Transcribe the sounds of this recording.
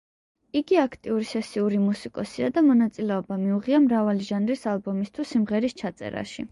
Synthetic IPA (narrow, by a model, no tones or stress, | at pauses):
iɡiakʰt̪ʼiuɾisɛsiuɾimusikʼɔsiad̪amɔnat̪sʼilɛɔbamiuʁiamɾavaliʒanɾisalˠbɔmist̪ʰwusimʁɛɾist͡ʃʰat̪sʼɛ̰ɾa̰ʃḭ